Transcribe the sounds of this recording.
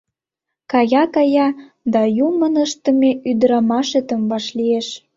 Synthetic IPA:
kɑjɑkɑjɑ | d̪ɑjumənəʃt̪ə̆meyd̪əɾɑmɑʃet̪ə̆mbɑʃlieʃ

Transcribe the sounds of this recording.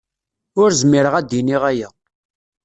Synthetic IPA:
ʊɾzmiɾəʁæd̪iniʁæjæ

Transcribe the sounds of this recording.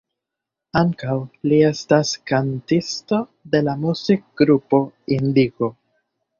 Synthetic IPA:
aŋkawlie̞staskantisto̞de̞lamuzik̚ɡɾupo̞indiko̞

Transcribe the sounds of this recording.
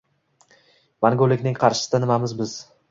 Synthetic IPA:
maŋɡʲolːɪkʲnɪŋqʰɑɾʃɪ̥sɪd̪anɪmamɪzbɪz̥

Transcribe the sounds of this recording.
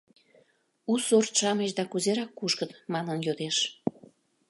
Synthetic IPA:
usort̪ʃɑmeʃd̪ɑkuzeɾɑkːuʃkət̪mɑnənjod̪eʃ

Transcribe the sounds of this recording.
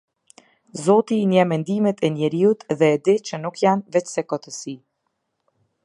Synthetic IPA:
zɔt̪inɛmɛnd̪imɛt̪ɛnɛɾiut̪ðɛːd̪it͡ʃənukjanvɛt͡ʃsɛkɔt̪əsi

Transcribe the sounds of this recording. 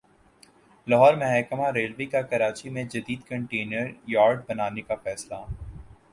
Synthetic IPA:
lɐɦɔːɾmɐɦɛːkəmaɾeːlʋeːkakɐɾaːt͡ʃimẽd͡ʒɐd̪iːd̪kɐ̃ɳʈeːnəɾjaːɾɖbɐnaːnekafɛːsla

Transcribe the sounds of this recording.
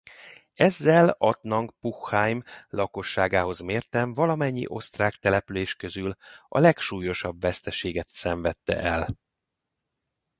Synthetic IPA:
ɛzːɛlɒt̪nɒŋkpuxːaːjmlɒko̞ʃːaːɡaːɦo̞zmeːrt̪ɛɱvɒlɒmɛɲːḭʔo̞st̪raːkt̪ɛlɛpyleːʃkø̞zylɒ̰lɛkʃuːjo̞ʃɒbvɛst̪ɛʃeːɡɛt̪sɛɱvɛt̪ːɛ̰ʔɛl

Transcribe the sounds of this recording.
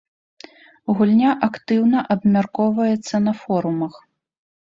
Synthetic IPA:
ɣulʲnʲaʔɐkt̪ɨwnɐʔɐbmʲarkɔvɐjɛt̪sːɐnɐfɔɾumɐx

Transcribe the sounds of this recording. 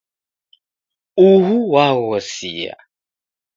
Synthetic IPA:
uɦuwawɔsḭja̰

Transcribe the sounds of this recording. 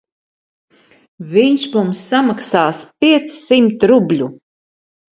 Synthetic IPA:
viɲʃmumsːamaksaːspiɛt̪ssimt̪ɾublʲu

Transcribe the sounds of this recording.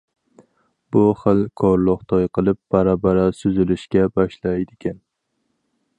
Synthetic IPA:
b̥ʊχɨlˠkʰɒɾlˠʊχt̪ʰɒjqʰɨlˠɪp̚b̥aɾabaɾasʊzɪlɪʃkʲabɒʃlajd̪ɪkʲan

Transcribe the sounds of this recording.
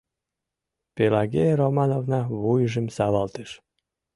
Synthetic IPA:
pelɑɣeɾomɑnovnɑβujʒə̆msɑβɑlt̪eʃ

